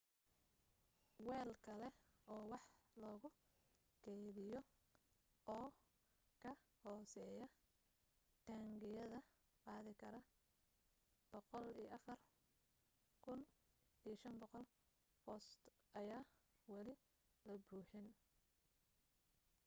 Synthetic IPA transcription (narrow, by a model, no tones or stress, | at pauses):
wɛːlkʰɐlɛɔːwɑħlɔːɣʊ | ɡɛjðɪjɔ | ɔː | kʰɐhɔːsɛːjɐ | t̪ʰaːŋɡɪjɐðɐ | qɑːðɪkʰɐɾɐ | b̥ɔqɔliːjʔɐfɐr | kʰʊn | ijʃɐnbɔqɔl | fɔst̪ | ʔɐjaːwɐlɪ | lɐbuːħɪn